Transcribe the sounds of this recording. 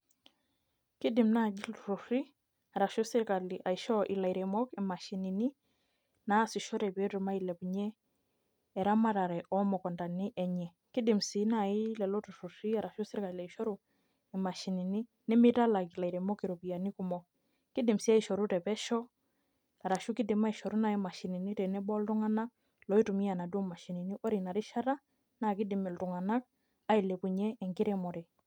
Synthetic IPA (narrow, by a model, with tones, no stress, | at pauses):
kɪ˦dɪ˨mna˦˨d͡ʒi˦ltu˨ɾu˨ɾi˦ | a˨ɾa˨ʃɔ˦sɪ˦ɾka˨li˨ʔa˨iʃɔ˦ʔɪ˨la˨jɾɛ˨mɔ˦ki˨ma˨ʃi˨ni˨ni˦ | na˦sɪ˨ʃɔ˦ɾɛ˨pe˦ɾu˨ma˦i˨lɛ˨pɲɛ˦ | ɛ˨ɾa˦ma˦ɾa˨ɾɛ˨ʔɔ˦mɔ˨kɔ˨nda˨nɪ˦ʔɛ˨ɲɛ˨ | kɪ˦dɪ˨msi˨na˦˨i˦lɛ˨lɔ˦tu˨ɾu˨ɾi˦a˨ɾa˨ʃɔ˦sɪ˦ɾka˨la˨i˨ʃɔ˦ɾu˨ | ɛ˨ma˨ʃi˨ni˨ni˦ | nɛ˦mi˦ta˦la˨kla˨i˨ɾɛ˨mɔ˦ki˨ɾo˨pi˨ja˨ni˦ku˦mɔ˨ | ki˦dɪ˨msi˨˦a˦i˨ʃɔ˨ɾu˦tɛ˨pɛ˦ʃɔ˦ | a˨ɾa˨ʃu˦ki˦di˨ma˦i˨ʃɔ˨ɾu˦na˦ɛ˦ma˨ʃi˨ni˨ni˦tɛ˨nɛ˦bɔ˦ltu˦ŋa˦na˦k | lɔ˨˦i˦tu˨mi˦a˨na˨dɔ˦ma˨ʃi˨ni˨ni˦ʔɔ˦ɾi˨na˨ɾi˦ʃa˦ɾa˦ | na˦˨ki˦dɪ˨mɪ˨ltu˨ŋa˨na˦k̚ | a˦i˨le˨pu˨ɲɛ˦ɛ˨ŋɡi˦ɾɛ˦mɔ˨ɾɛ˨